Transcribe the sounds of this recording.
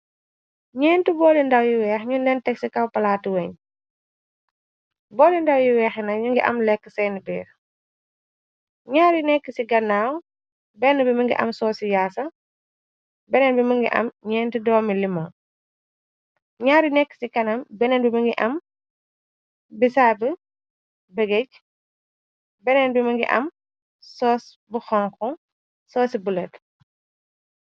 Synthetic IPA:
ɲɛːntubɔːlindɐwjiwɛːxɲundɛntɛksikɐwpɐlaːtiwɛɲ | bɔːlindɐwjiwɛːxinɐɲuŋɡiʔɐ̰mlɛkːəsɛjnibɛːɾ | ɲaːɾinɛkːəsiɡɐnːaːw | bɛnəbiməŋɡḭʔɐ̰msɔːsijaːsɐ | bɛnɛnbiməŋɡḭʔɐ̰mɲɛːntidɔːmilimɔ | ɲaːɾinɛkːə̥sikɐnɐmbɛnɛnbiməŋɡiʔɐm | bisabə | bɛɡɛc̚ | bɛnɛnbiməŋɡḭʔɐ̰m | sɔs | buxɔŋkɔ | sɔːsibulɛt

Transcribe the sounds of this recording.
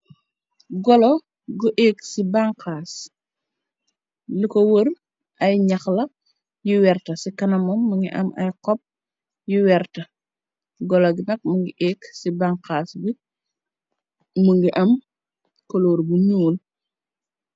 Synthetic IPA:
ɡɔlɔ | ɡuʔɛːksibaŋkaːs | likɔwər | ʔɐjɲɐxlɐ | juwɛrtɐsikɐnɐmɔmːuŋɡḭʔɐ̰mɐ̰jkɔp̚ | juwɛɾtɐ | ɡɔloɡinɐk̚muŋɡiʔɛːksibaŋkaːsɡi | muŋɡiʔɐm | kɔloːɾbuɲuːl

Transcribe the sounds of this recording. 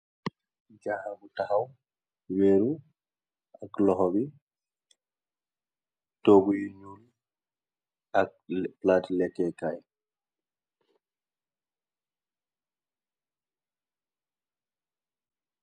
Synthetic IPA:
d͡ʒahaɡutahaw | weːɾu | aklɔɦɔbi | toɡujiɲulu | akplaːtilɛkːɛkaj

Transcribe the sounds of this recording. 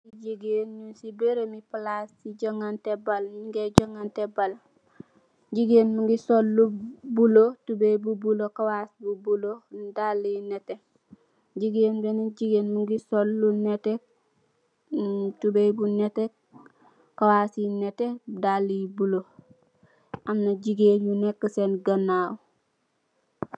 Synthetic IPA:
siɟiɡenɲunsibeɾemiplasiɟoŋantebaliŋɡeɟoŋantebal | ɟiɡenmuŋɡisolːubulotubebubulokawasbubulodalːinete | ɟiɡeːnbeniɟiɡeːnmuŋɡisolːunete | tubejbunete | kawasjinetedalijibulo | amnaɟiɡeːnjunekːəsenɡanaw

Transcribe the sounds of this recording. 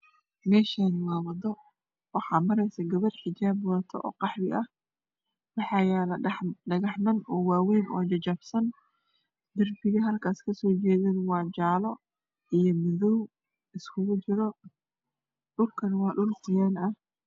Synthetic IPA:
mɛːʃanwɑːwɐdɔ | wɑħɑːmɐɾɛjsɐɡɐβɐrħɪd͡ʒaːbwaːt̪ʰɔʔɔ̰ːqɑħwɪʔɐh | wɑħɑːjɛːlɐɖɐɣɑħnɐnɔːwaːwɛjnʔɔ̰ːd͡ʒɐt͡ʃɐbsɐn | d̪ɐrbɪɣɐɦɐlkʰaːskʰɐsɔːt͡ʃɛːðɛd̪wɑːt͡ʃaːlɔ | ijɞmɪðɔw | ɪskʰʊɣʊt͡ʃɪɾɔ | ɖʊlkʰɐnwɑːɖʊlkʊjaːnɐh

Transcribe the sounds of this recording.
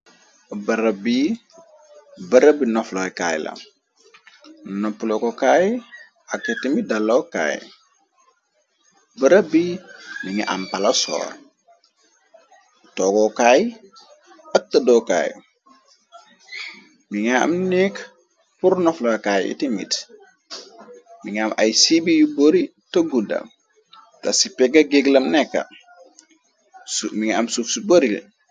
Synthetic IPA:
bɐɾabi | bəɾəbinɔfloka̰ːjlɐ̰ | nopːulokokaj | akːetimidalːoka̰ːj | bəɾəbimiŋḭʔa̰mpalasɔ̰ːɾ | tokokaːji | ɐk̚tɐdoka̰ːj | miŋaa̰mnik | puɾnɔflakaːjḭtimḭt | miŋamʔɐ̰jsibijuboɾitoɡuda̰ | tasipɛɡaɡeɡlɐmnɛkːa̰ | miŋiamsufsuboɾḭl

